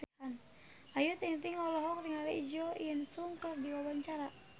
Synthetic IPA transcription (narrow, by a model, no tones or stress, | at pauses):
an | ajut̪iŋt̪iŋɔlɔɦɔk̚ɾiŋalɛʔid͡ʒɔjənsuŋkərdiwabaɲt͡ʃaɾa